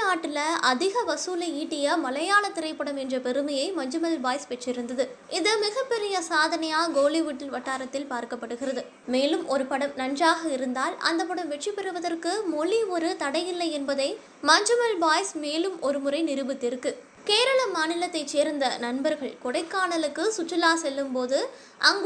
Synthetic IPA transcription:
naːʈːɪlɐɐðɪɣɐʋɐsuːlɐiːʈːɪjɐmɐlɐjaːlɐt̪ːɪɾɐɪpːɐɽɐmɛndrɐpɛɾɯmɐjɐɪmɐɲd͡ʒɯmɐlbaːjspɛʈrɪɾɯnd̪ɐðɯ | ʔɪðɯmɪɣɐpːɛɾɪjɐsaːðɐnɐjaːɡoːliʋʊʈːɪnʋɐʈːaːɾɐt̪ːɪlpaːɾkɐpːɐɽɯɣɪrɐðɯ | meːlɯmʔɔɾɯpɐɽɐmnɐnraːɣɐɪɾɯnd̪aːlɐ̰nd̪ɐp̬ːɐɽɐmʋɛʈripːɛɾɯʋɐðɐrkɯmɔɭiɔɾɯt̪ɐɽɐjɪlːɐɪɛnbɐðɐɪ | mɐɲd͡ʒɯmɐlbaːjsmeːlɯmɔɾɯmʊrɐɪnɪɾɯbɯt̪ːɪɾɯkːɯ | keːɾɐɭɐmaːnɪlɐt̪ːɐɪt͡ʃːeːɾnd̪ɐnɐnbɐɾɣɐɭkɔɽɐɪkːaːɳɐlɯkːɯsʊt͡ʃːɐlaːsɛlːɯmpoːðɯ | ʔɐŋɡ

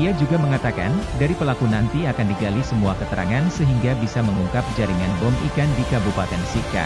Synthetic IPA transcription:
iad͡ʒuɡaməŋat̪aka̰ndaɾipəlakunant̪iakandiɡalisəmuakət̪əɾʔa̰ŋansəɦiŋɡabisaməŋuŋkap̚d͡ʒaɾiŋanbɔmʔḭkandikabupat̪ɛnsika̰

